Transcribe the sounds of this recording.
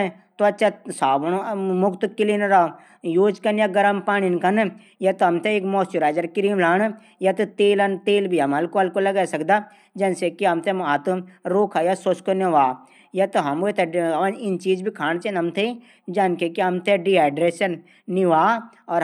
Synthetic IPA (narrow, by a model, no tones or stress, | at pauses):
t̪oɐtːt͡ʃʰasaːbnomʊkt̪kɪlinɾaː | joːd͡ʒkɐnjaɡɐɾɐmpaːñinkɐn | jɐt̪oɦɐmt̪eeːkmoːsjuɾaːd͡ʒɐɾkɪɾiːmlaːn | jɐt̪ut̪eːlɐnt̪eːlbʱiɐmɐlkoɐlkolɐɡaːsɐkd̪a | d͡ʒɐnsekiɐmt̪emat̪uɾoːkʰajasoskoneʋaː | jɐt̪oɦɐmot̪ʰeʋanɪnt͡ʃiːd͡ʒbʱikʰaːnt͡ʃenɐmt̪ʰe | d͡ʒɐnkekiɦɐmt̪ʰeɖiɦɛːɖɾeːʃɐnː | iʋaː | ɔːɾ